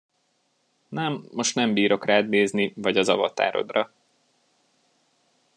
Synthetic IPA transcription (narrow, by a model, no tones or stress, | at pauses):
nɛmːo̞ʃt̪nɛmbiːɾo̞kraːd̪neːznivɒɟɒzɒ̰vɒ̰t̪a̰ːɾo̞̰d̪rɒ